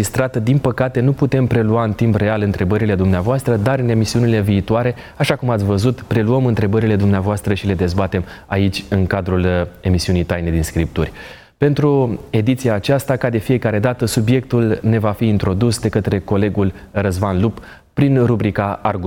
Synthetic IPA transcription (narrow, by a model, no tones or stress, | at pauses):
ist̪ɾat̪əd̪inpəkat̪e̞nuput̪e̞mpɾe̞luaɨnt̪impre̞alɨnt̪ɾe̞bəɾile̞d̪umneavoast̪ɾəd̪aɾɨne̞misiunile̞viːt̪oaɾe̞ | aʃakumat̪sʲvəzut̪pɾe̞luəmɨnt̪ɾe̞bəɾile̞d̪umneavoast̪ɾəʃile̞d̪e̞zbat̪e̞ma̰it͡ʃʲɨŋkad̪ɾule̞misiunijt̪ajne̞d̪inskɾip̚t̪urʲ | pe̞nt̪ɾue̞d̪it̪sijaːt͡ʃast̪akad̪e̞fije̞kaɾe̞d̪at̪əsubje̞k̚t̪ulne̞vafiːnt̪ɾo̞d̪usd̪e̞kət̪ɾe̞ko̞le̞ɡul | rəzmanlupː | ɾinrubɾikaarɡu